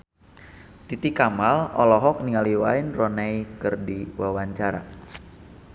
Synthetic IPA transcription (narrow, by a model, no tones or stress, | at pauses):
t̪it̪ikamalɔ̰lɔɦɔk̚niŋaliwainrɔnajkərdiwawaɲt͡ʃaɾa̰